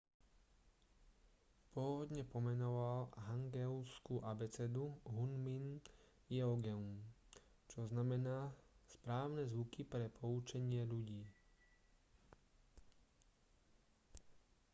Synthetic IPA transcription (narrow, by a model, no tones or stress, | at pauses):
pʊɔʋɔd̪ɲɛpɔmɛnɔʋalɦaŋɡɛʊskuʔabɛt͡sɛd̪uɦunmin | jɛɔɡɛum | t͡ʃɔznamɛnaːspɾaːʊnɛzʋukipɾɛpʰɔut͡ʃɛɲɪɛʎuɟiː